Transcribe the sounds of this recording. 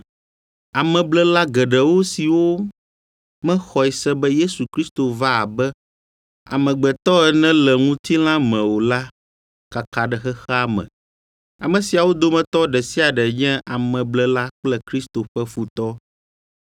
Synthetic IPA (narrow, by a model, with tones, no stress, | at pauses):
a˨mɛ̃˨blɛ˦la˦ɡɛ˨ɖɛ˨wo˦si˨wo˦ | mɛ̃˦xɔ˨ɛ˨sɛ˦bɛ˦je˦su˨kɾi˦st̪o˨va˦a˨bɛ˦ | a̰˨mɛ̃˨ɡ͡bɛ˨t̪ɔ˦ɛ˨nɛ̃˦lɛ˨ŋũ˦t̪i˦l̃ã˦mɛ̃˨wo˨la˦ | ka˨ka˨ɖɛ˨xɛ˦xɛ˦a˦mɛ̰̃˨ | a˨mɛ̃˨si˨a˨wo˦d̪o˦mɛ̃˨t̪ɔ˦ɖɛ˨si˦a˨ɖɛ˨ɲɛ̃˦ʔa˨mɛ̃˨blɛ˦la˦k͡plɛ˦kɾi˦st̪o˨ɸɛ˦fu˦t̪ɔ˦